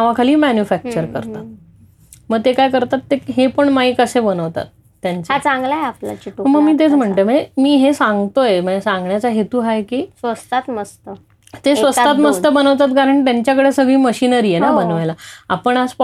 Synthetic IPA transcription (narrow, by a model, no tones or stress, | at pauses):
aʋakʰaliːmænjufæk̚t͡ɕəɾkəɾt̪a | məɡ̚t̪ekajkəɾt̪at̪ːeɦepəɳmajkəsebənəʋt̪a̰t̪ːjaɲt͡sat͡sãŋɡlaeapla̰t͡ɕiʈuəməɡmiːt̪̬et͡sm̤əɳt̪ejməɳd͡zemiːɦesãŋɡt̪ojem̤əd͡ʑesãŋɡɳjat͡saɦet̪uːɦajkiːsʋəst̪at̪məst̪ə | t̪esʋəstt̪at̪məst̪əbənəʋt̪at̪kaɾəɳʈt̪jaɲt͡ɕjakəɽesəɡɭiːməɕinəɾiːjenabənʋajlaa̰pəɳasp